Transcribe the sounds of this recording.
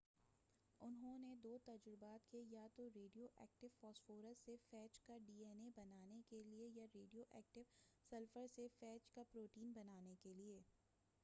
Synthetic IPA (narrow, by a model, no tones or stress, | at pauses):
ʊnɦõned̪oːt̪ɐd͡ʒɾɪbaːt̪kejat̪oɾeːɖijoːʔɛ̰ːk̚ʈɪʋfɔːsfoːɾəzsefɛːt͡ʃkaɖiːɛːnebɐnaːnekeliejaɾeːɖijoʔɛːk̚ʈɪʋsɐlfəɾsefɛːt͡ʃkapɾoːʈiːnbɐnaːnekelieː